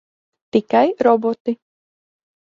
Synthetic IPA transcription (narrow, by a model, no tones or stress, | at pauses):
t̪ikajɾɔbot̪i